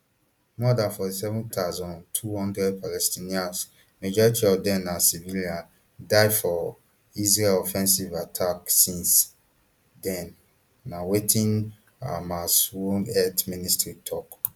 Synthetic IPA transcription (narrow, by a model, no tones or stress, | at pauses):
mɔdãnfɔtisɛvũntʰazɔ̃ntʰuhɔ̃ndɹɛd̚pʰalɛstʰĩnĩãns | mad͡ʒɔɹitʰiɔvdɛ̃nːãsiviliãn | daɪfɔ | is̬ɹelɔfɛ̃nsivatʰaksĩns | dɛ̃nː | ãwetʰĩn | a̰maswonɛtmĩnistɹitʰɔk